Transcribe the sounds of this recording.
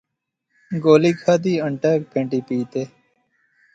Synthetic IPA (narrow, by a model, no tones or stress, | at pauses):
ɡoːliːkʰaːd̪iːəɳʈəːkpʰẽɳʈiːpiːt̪eː